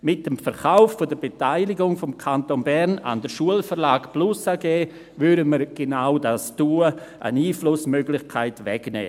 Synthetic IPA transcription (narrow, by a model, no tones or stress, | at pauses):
mɪt̚dəmfəɾχaʊfːodəɾbetaɪlɪɡʊŋfɔmkʰantonbɛɾna̰ndəʃuəlfəɾlaːkplusaɡeː | vʏɾəməɾɡ̥enaʊdastuːə | ʔə̰niːflʊsmøɡlɪçkʰaɪtʋɛ̰ɡnɛ̰ː